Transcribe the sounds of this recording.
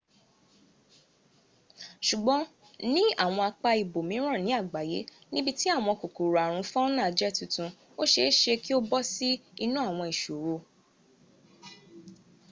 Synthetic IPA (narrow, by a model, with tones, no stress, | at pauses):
ʃu˨ɡ͡bɔ̃˨˦ | nĩ˦a˦˨w̃ɔ̃˧a˧k͡pa˧i˨bo˨mĩ˨˦ɾ̃ã˦˨nĩ˨˦a˦˨ɡ͡ba˨je˨˦ | nĩ˦bi˦ti˦a˦˨w̃ɔ̃˧ko˨ku˨ɾa˨ɾ̃ũ˨˧˦fɔ̃˦nã˦˨d͡ʒɛ˦˨tũ˨tũ˧ | o˦ʃe˧˦ʃe˧ki˦o˦bɔ˦si˦i˧nũ˦a˦˨w̃ɔ̃˧i˨ʃo˨ɾo˧